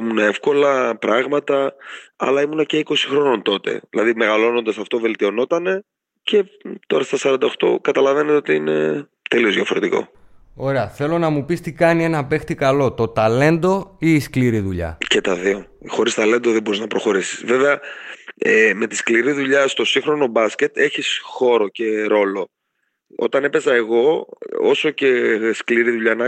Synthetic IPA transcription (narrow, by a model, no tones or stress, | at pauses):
muneefko̞lɐpɾɐɣmɐt̪ɐɐ̰lɐimunɐce̞iko̞si̥xɾo̞no̞nt̪o̞t̪e̞̰ðilɐðime̞ɣɐlo̞no̞nd̪ɐsɐft̪o̞ve̞lt̪io̞no̞t̪ɐne̞ | ce̞t̪o̞ɾɐst̪ɐsɐɾɐnd̪ɐoxt̪o̞̰kɐt̪ɐlɐve̞net̪eot̪iine̞̰ | t̪e̞lio̞zðjʝɐfo̞ɾe̞t̪iko̞̰o̞ɾe̞ɐθe̞lo̞nɐmupist̪ikɐnie̞nɐpe̞xt̪ikɐlo̞t̪o̞t̪ɐle̞nd̪o̞iːskliɾiðuʎɐ̰cet̪ɐðio̞ | xoɾist̪ɐle̞nd̪o̞ðebo̞ɾiznɐpɾo̞xo̞ɾisi̥sve̞veɐ | eme̞t̪i̥skliɾiðuʎɐst̪o̞siŋxɾo̞no̞bɐsce̞t̪e̞çisxo̞ɾo̞ce̞ɾo̞lo̞ | o̞̰t̪ɐne̞pe̞zɐe̞ɣo̞o̞so̞ce̞skliɾiðuʎɐnɐ